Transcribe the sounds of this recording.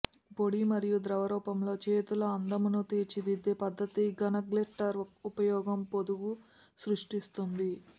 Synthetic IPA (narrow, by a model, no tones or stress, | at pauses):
po̞ɽimɐɾijud̪ɾɐʋɐɾɔːpɐmlo̞ːt͡ʃe̞ːt̪ulɐɐnd̪ɐmunut̪eːt͡ʃid̪id̪ːeːpɐd̪ːɐt̪iɡɐnɐɡleʈːɐɾupɐjɔːɡɐmpod̪uɡu | sɾuʂʈist̪und̪i